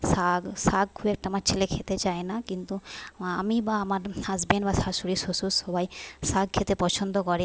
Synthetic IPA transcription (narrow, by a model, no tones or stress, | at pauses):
saɡsaɡ̚kʰuɛk̚ʈaamaɾt͡ɕʰelekʰet̪et͡ɕaenakint̪uamibaamaɾazbinbasasuɾisosusɔbajsaɡ̚kʰet̪epɔt͡ʃʰond̪okɔɾe